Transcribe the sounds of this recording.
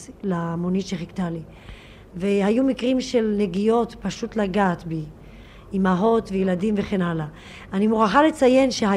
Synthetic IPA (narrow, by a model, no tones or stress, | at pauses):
lamonitʃeχiktali | vehajumikʁimʃe̞lne̞ɡijo̞tpaʃutlaɡaːt̪be | imaɦo̞tvejeladimve̞χenala | animuʁaχale̞t͡saje̞nʃeɦa